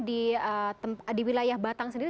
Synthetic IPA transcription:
diət̪əmpdiwilajahbat̪aŋsəndiɾi

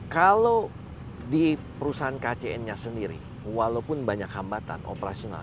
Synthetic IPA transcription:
kalo | dipəɾusaɦankat͡ʃeɛnɲasəndiɾḭ | walawpʊnbaɲakhambat̪a̰nʔo̰pəɾa̰siona̰l

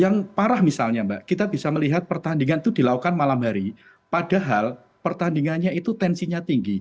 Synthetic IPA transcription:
jaŋpaɾahmisalɲambaʔkit̪abisaməliɦat̪̚pərt̪andiŋanit̪ud̥i̤lakukanmalamɦaɾi | pada̤ɦal | pərt̪andiŋanɲait̪ut̪ɛnsiɲat̪iŋɡi

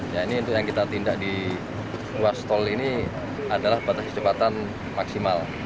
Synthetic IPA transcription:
jainiunt̪ʊkjaŋkit̪at̪indaʔ̚di | ruast̪ɔlini | adalahbat̪ast͡ʃəpat̪an | maksimal

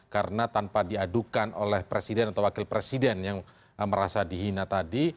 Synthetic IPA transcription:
kaɾənat̪ampadiadukano̰lɛhpɾesidɛnat̪awakɪlpɾesidɛnjaŋ | məɾasadiɦinat̪adi

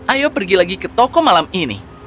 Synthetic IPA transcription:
ʔajopərɡilaɡikət̪ɔkɔmalaminḭ

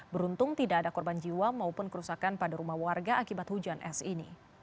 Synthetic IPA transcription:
bəɾunt̪ʊŋt̪idaːdakɔrband͡ʒiwamaupʊnkəɾusakanpadaɾumahwarɡaʔakibat̪hud͡ʒanʔɛ̰sinḭ

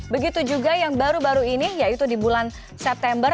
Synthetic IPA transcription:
bəɡit̪ud͡ʒuɡajaŋbaɾubaɾuinijait̪udibulan | sɛp̚t̪ɛmbər

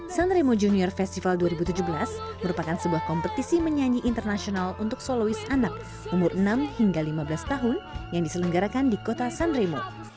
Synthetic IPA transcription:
sanɾemod͡ʒuniɔrfɛst̪ifalduaɾibut̪ud͡ʒubəlasməɾupakansəbuahkɔmpət̪isiməɲaɲiʔːnt̪ərnasionalunt̪ʊk̚solowisanak̚ | umʊrʔnamhiŋɡalimabəlast̪aɦʊnjaŋdisələŋɡaɾakandikot̪asanɾemo

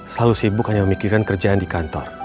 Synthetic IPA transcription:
səlalusibʊkhaɲaməmikiɾankərd͡ʒaandikant̪ɔr

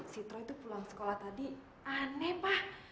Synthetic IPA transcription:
sit̪ɾɔit̪upulaŋsə̥kolaht̪adi | anɛpah

